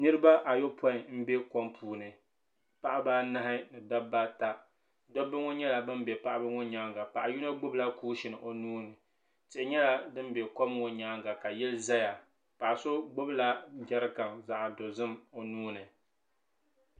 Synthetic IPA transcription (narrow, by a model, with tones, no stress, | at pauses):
nɨ˦ɾɨ˦ba˦ʔa˨jo˦pʰɔ˦ɪ˨m̩˦be˦ko˦mpʰuː˨nɨ˨ | pa˦ʔa˦baː˦na˦ha˦nɨ˨da˦bːa˦ta˦ | do˦bɨ˦ŋo˦ɲɛ˦la˨bɨ˦mbɛ˨pa˦ʔa˦bɨ˦ŋo˦ɲaː˦ŋɡa˨pa˨ʔa˨ju˦na˦ɡ͡bʊ˦bla˦kuː˦ʃɪ˨nɨ˨ʔo˨nuː˦nɨ˨ | tɪ˨ɪ˨˦ɲɛ˦la˦dɨ˦m˦bɛ˨ko˦m˦ŋo˦ɲaː˦ŋɡa˨ka˨jɛ˦lɨ˦za˦ja˨ | pa˨ʔso˦ɡ͡bʊ˦bla˦d͡ʒa˦ɾɨ˦ka˨mza˨ʔa˨do˨zɨ˦mo˨nuː˦nɨ˨